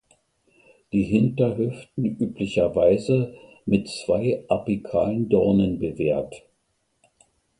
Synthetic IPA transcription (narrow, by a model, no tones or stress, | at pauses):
d̥iːɦɪntɐɦʏftn̩ʔyːplɪçɐvaɪzə | mɪtt͡sv̥aɪʔapikʰa̰ːləndɔɐnənbəveːɐt